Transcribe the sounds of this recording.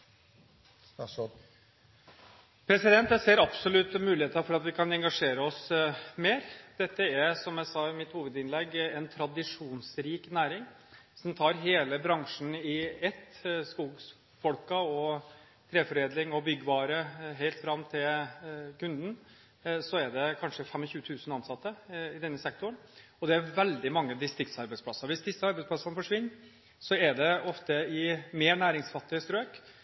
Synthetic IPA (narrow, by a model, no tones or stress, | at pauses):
pʰɾɛsɪd̪ɛnt̪jæɪseːɾɑpsɔlʉt̪ːəmʉːlɪeːt̪əɑfɔɾɑt̪ʋɪkʰɑnɛŋɡɑʂeːɾəɔsmeːɾd̪̥ɛt̪ːəæɾsɔmjæɪsɑːɪmɪt̪huːʋəd̪ɪnlɛɡːɛnt̪ʰɾɑd̪ɪʂuːnsɾiːknæːɾɪŋ | sɔmt̪ʰɑːɾɦeːləbɾɑŋʂn̩ɪɛt̪ːskuːɡs | fɔlkɑɔ | t̪ʰɾeːfɔɾeːd̪lɪŋɔbʏɡːəʋɑːɾəɦæɪlt̪fɾɑmːt̪ʰɪlkʉnd̪n̩ | sɔæɖɛkʰɑnʂəfɛmːɔçʉːət̪ʰʉːsənɑnsɑt̪ːəɪd̪ɛnːəsɛk̚t̪ʰʊɾən | ɔd̪ɛæɾʋɛld̪ɪmɑŋːəd̪ɪst̪ɾɪkt̪sɑɾbɛɪspʰlɑsːəɾʋɪsd̪ɪsːəɑɾbɛɪspʰlɑsənəfɔʂʋɪnːɾ | sɔɛɖɛɔft̪əɪmeːɳæːɾɪŋsfɑt̪ːɪəst̪ɾøːk